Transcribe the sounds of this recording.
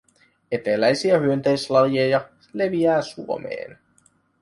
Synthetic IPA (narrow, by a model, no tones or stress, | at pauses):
e̞t̪elæjsiæhyønt̪ejslɑljojɑ | le̞ʋiæːsuomḛːn